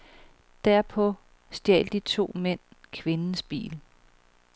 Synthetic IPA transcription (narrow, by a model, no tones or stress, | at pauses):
d̥æɐ̰pʰɒ̽ | sd̥jɛ̰ːld̥it͡sʰo̝̰ːmen̰kʰʋe̝nn̩sb̥ḭːl